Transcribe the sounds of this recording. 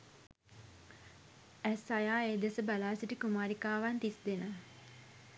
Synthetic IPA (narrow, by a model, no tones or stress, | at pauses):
æsajaːeːd̪esəbalaːsiʈikumaːɾikaːʋant̪isd̪enə